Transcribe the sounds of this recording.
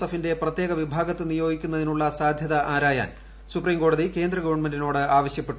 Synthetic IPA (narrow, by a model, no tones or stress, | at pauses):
ɐfinde̞prɐt̪ːjeːɡɐʋibʱaːɡɐt̪ːɨnijo̞ːɡikʲːun̪ːɐðinuɭːɐsaːd̪ʱjɐðɐʔaːɾaːja̰ːn | supriːmko̞ːɽɐðike̞ːnd̪rɐɡɐʋɐɳmendino̞ːɽɨaːʋɐɕjɐpːe̞ʈːu